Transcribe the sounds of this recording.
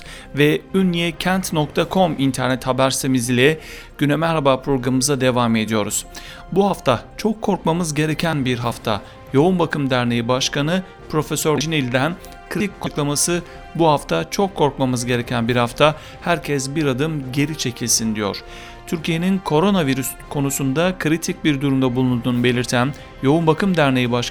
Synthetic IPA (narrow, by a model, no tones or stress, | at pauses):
vɛynːijɛcʰænt̪no̞kt̪ʰakʰo̞mint̪ʰæɾnɛt̪habæɾsemizilʲɛ | ɟ̥ynɛmæɾɾabaːpʰɾo̞ɡɾaɯmɯzad̪e̞vame̞d̪ijo̞ɾuz̥ | buhaft̪ʰat͡ʃʰo̞kʰːo̞ɾk̚mamɯzɟe̞ɾe̞cʰænbiɾɦaft̪ʰa̰ | jo̞unbakʰɯmd̪æɾnejibaʃkanɯ | pʰɾo̞fesøɾd͡ʒinilʲd̪æn | kʰɯɾiickʰːoklˠamasɯ | buhaft̪ʰat͡ʃʰo̞kʰːo̞ɾkmamɯzɟe̞ɾe̞cʰænbiɾhaft̪ʰa | hæɾcʰɛsbiɾad̪ɯmɟe̞ɾit͡ʃʰe̞cʰilʲsind̪ijo̞̰ɾ̥ | t̪ʰyɾcʰije̞ninkʰo̞ɾo̞naviɾyskʰo̞nusund̪akʰɯɾit̪ʰic̚biɾd̪uɾumd̪abulˠund̪uːnube̞lʲiɾt̪ʰæn | jo̞unbakɯmd̪æɾne̞jibaʃ